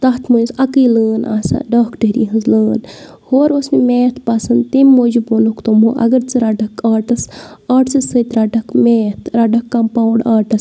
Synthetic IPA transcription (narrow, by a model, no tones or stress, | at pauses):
t̪ɐɦt̪ʰmuzɐkiːləːnʔa̰ːsa̰ːɖaːkʈeɾḭːɦɨnzləːn | hoːɾosmimeːt̪ʰpɐsɐnd̪t̪emːoːd͡ʒubonukt̪omoːʔɐ̰ɡɐɾt͡sɨɾaɖɐkaːʈɐsaːʈt͡sɨsət̪ɾaɖɐkmeːt̪ʰɾaɖɐkːɐmpawɖaːʈɐs